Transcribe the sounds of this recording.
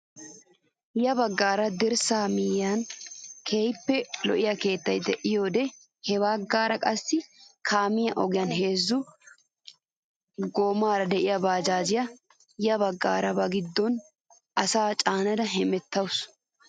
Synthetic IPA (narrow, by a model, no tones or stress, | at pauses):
jɐbɐɡːaːɾɐd̪ɪɾsaːmɪjaːnkʰeːjpːɛlɔ̰ʔɪjɐke̞ːt̪ːɐjt̪ːɛʔɪjoːd̪ɛ | hɛbaːɡaːɾɐkʼɐsːɪkʰaːmɪjɐʔɔɡɪjɐnɦe̞ːzːʊ | ɡoːmaːɾɐd̪ɛʔɪjɐbaːd͡ʒaːd͡ʒɪjɐ | jɐbɐɡːa̰ːɾɐbɐɡɪd̪ːɔn | ʔɐsaːt͡ʃʼaːnɐd̪ɐɦɛmɛt̪ːɐwʊs